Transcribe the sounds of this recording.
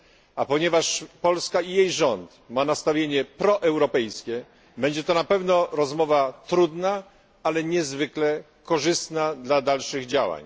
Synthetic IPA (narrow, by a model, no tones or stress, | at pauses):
apɔɲɛvaʂpɔlskaijejʐɔnt̪ | manast̪avʲjeɲɛpɾɔʔɛwɾɔpɛjskʲɛ | bɛɲd͡ʑɛt̪ɔnapɛvnɔɾɔzmɔvat̪ɾud̪na | alɛɲɛzvɘklɛ | kɔʐɘst̪nad̪lad̪alʂɘɣd͡ʑawa̰ɲ